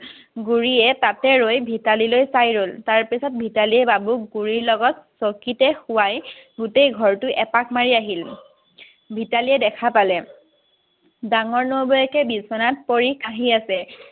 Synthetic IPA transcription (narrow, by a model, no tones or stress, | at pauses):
ɡuɹiɛtatɛɹojbʱitalilojsajɹoltaɹpisɔt̚bʱitaliɛbabukɡuɹiɹlɔɡɔtsɔkitɛxʊwajɡutejɡʱɔɹtʊʔɛpakmaɹiaɦil | bʱitaliɛdɛkʰapalɛ | daŋɔɹnuobɔjɛkɛbisɔnat̚poɹikʰaɦiasɛ